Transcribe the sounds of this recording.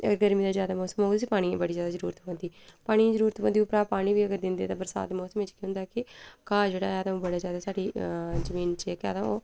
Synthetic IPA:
ɡəɾmĩːd̪aːzjaːd̪aːmɔːsəmoːd̪siːpaːɽ̃ĩḛ̃ːbəɽiːzjaːd̪aːzəɾuːɾət̪bə̃nd̪iːpaːɽ̃iːẽzəɾuːɾət̪bənd̪iːʊpɾaːpaːɽ̃ĩːʋiːəɡəɾd̪ɪnd̪iɛːt̪ãːbəɾsa̰ːd̪eːmɔːsəmʋɪt͡ʃkiʊnd̪aːkɪkaːd͡ʒeːɽaːaːd̪ãːbəɽaːzjaːd̪aːsaːɖiːzəmiːnt͡ʃeːka̰ːd̪ãoː

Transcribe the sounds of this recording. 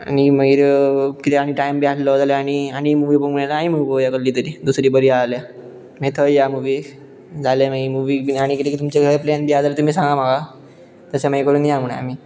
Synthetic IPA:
a̰ñiməiɾkit̪eaɽ̃iʈajmbaʈlɔd͡zaljaːɽ̃iaɽ̃imuʋipəŋuɳalaaimuʋiojakəɾlːiːt̪əɾiːd̪usɾiːbəɾialja | met̪ʰəjjamuʋi | d͡zaleməimuʋiaɽ̃ikit̪ekit̪umt͡ɕeɡʱəjplɛnbijad͡zalet̪umisãŋɡamaɡa | t̪əsaməjkəɽuːnjam̤əɽ̃a̰a̰m̤i

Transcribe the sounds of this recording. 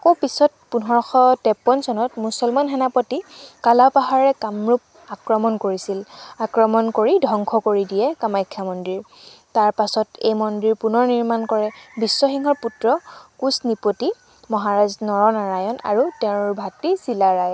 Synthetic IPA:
kopisɔt̚punɦɔɹɔxɔtɛpːɔnsɔnɔtmusɔlmanɦɛnapɔtikalapaɦaɹɛkamɹup̚ | akɹɔmɔnkoɹisilakɹɔmɔnkoɹidʱɔŋkʰɔkoɹidijɛkamajkʰːamɔndɹiɹ | taɹpasɔtḛjmɔndɹiɹpunɔɹniɹmankɔɹɛbisːɔxiŋɦɔɹputɹɔkusnipoti | mɔɦaɹaznɔɹɔnaɹajɔna̰ɹutɛʊ̃ɹbʱatːisilaɹajɔ

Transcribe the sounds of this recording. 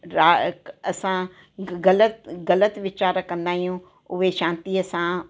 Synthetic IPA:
ɾaːɐsã | ɣɐlət̪ɣɐlət̪ʋɪt͡ɕaːɾkɐ̃nd̪aːɦijũ | ʊɦeʃãːnt̪iəsã

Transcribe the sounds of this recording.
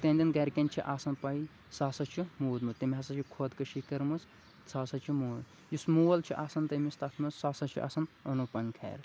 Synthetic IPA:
t̪eːnʲd̪ʲɐnɡɐɾʲkʲɐnʲt͡ʃʰiʔaːsɐnpɐi | saːsɐt͡ʃʰimuːd̪mɨt̪ɐmʲɦɐsɐt͡ʃʰikʰoːd̪kɐʃikɐɾmɐz | t͡sʰaːsɐt͡ʃʰimuːd̪ | jusmuwɐlt͡ʃʰiʔaːsɐnt̪ɐmist̪ɐt̪ʰmɨzsaːsɐt͡ʃʰḭʔa̰ːsɐnɐnupɐŋkʰɐ̰ːɾ

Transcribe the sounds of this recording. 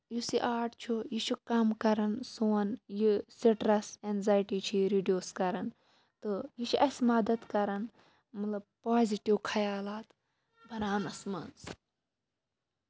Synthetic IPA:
jusiʔaːʈt͡ʃʰujit͡ʃʰukɐmkɐɾɐnsuːnjisiʈɾɐsenzaːjʈiːt͡ʃʰiɾiɖijoːskɐɾɐn | t̪ɨjiʃʰiʔɐsʲmɐd̪ɐd̪kɐɾɐn | mɐt̪lɐb̚paːziʈiwkʰɐjaːlaːt̪ | bʱɐɾaːnɐsmɐns

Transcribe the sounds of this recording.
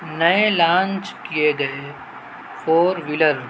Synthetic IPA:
nɐelãːnt͡ʃkijeɡɐe | fʰoːɾʋɪləɾ

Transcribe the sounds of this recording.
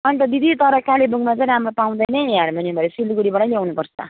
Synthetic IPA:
ʌnt̪ʌd̪id̪ʱit̪ʌɾʌkalebuŋɡmad͡zʌɾamɾopaw̃d̪ʌjnʌjaɾmʌnibʱʌɾesilɡuɽibaɽʌljawnupʌɾsʰʌ̰

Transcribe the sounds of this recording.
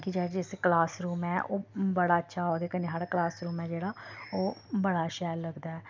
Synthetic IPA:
kid͡ʒɛːd͡ʒɪsklaːsɾuːmɛːʔoːbəɽaːətːʃʰaːoːd̪eːkəneːɦəɽklaːsɾuːmɛːd͡ʒeːɽaːoːbəɽaːʃɛːɾləɡd̪aːɛː

